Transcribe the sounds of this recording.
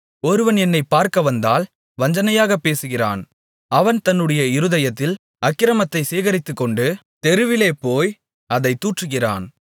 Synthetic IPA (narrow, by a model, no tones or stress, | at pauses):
ɔɾɯʋɐnɛnːɐɪpːaːɾkɐʋɐnd̪aːl | ʋɐɲd͡ʒɐnɐjaːɣɐpːeːsɯɣɪra̰ːn | ɐʋɐnt̪ɐnːɯɽɐjɐɪɾɯðɐjɐt̪ːɪl | ɐkːɪɾɐmɐt̪ːɐɪseːɣɐɾɪt̪ːɯkːɔɳɖɯ | t̪ɛɾɯʋɪleːpoːj | ɐðɐɪt̪ːuːʈrɯɣɪra̰ːn